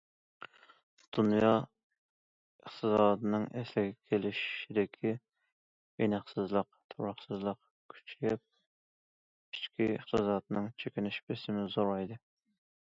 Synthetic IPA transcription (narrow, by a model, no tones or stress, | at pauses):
d̪̥unjɑ | əχt̪ʰɨzɑːd̪ɨnɨŋɛslɪɡʲɛkʲʰelɪʃid̪ɪkʲʰi | enɨχsɨzlˠəqt̪ʰoɾɑχsɨzlˠəq | kʲʰy̥t͡ʃʰɡʲɛp̚ | i̥t͡ʃkʲiə̰χt̪ɨzɑːd̪nɨŋt͡ʃʰekʲinɪʃpɪsɪmɪzoɾɑjd̪ɨ